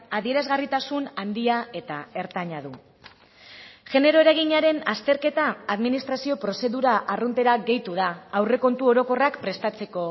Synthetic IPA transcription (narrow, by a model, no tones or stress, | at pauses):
aðie̞ɾazɣarit̪asunand̪iae̞t̪ae̞ɾt̪aɲaðu | ʝe̞ne̞ɾo̞e̞ɾaɣiɲaɾe̞nast̪e̞ɾke̞t̪aːðminist̪ɾasio̞pɾo̞se̞ðuɾaʔːrunt̪e̞ɾaɣe̞jt̪uðaːwre̞ko̞nt̪uo̞ɾo̞ko̞rakpɾe̞st̪at͡se̞ko̞